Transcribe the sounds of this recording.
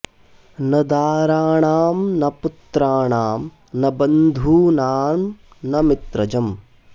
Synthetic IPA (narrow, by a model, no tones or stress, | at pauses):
nɐd̪aːɾaːɳaːmnɐput̪ɾaːɳaːm | nɐbɐnd̪ʱuːnaːm | nɐmit̪ɾɐd͡ʒɐm